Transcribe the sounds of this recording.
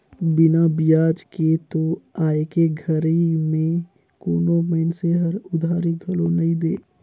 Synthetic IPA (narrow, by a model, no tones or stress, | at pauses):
bɪnabɪjaːd͡ʒket̪oaːekeɡʱəɾimẽ | koːnoməɪnseɦɐɾʊd̪ʱaːɾiɡʱɐlõnɐɦĩd̪eː